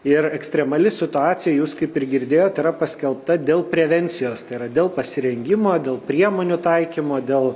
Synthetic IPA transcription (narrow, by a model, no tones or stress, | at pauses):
ɪrɛksʲt̪ʲɾʲɛmɐlʲɪsʲɪt̪ʊɑːt̪sʲɪjɛjuːskɐɪpɪrɡʲɪɾʲd̪ʲeːjoːt̪ɪɾɐpɐsʲkʲɛlˠp̚t̪ɐd̪ʲeːlˠpʲɾʲɛʋʲɛnʲt͡ssʲɪjoːst̪ɐɪiɾɐd̪ʲeːlˠpɐsʲɪɾʲɛŋʲɡʲɪmoːd̪ʲeːlˠpʲɾʲiɛmoːnʲut̪ɐɪkʲiːmoːd̪ʲeːlˠ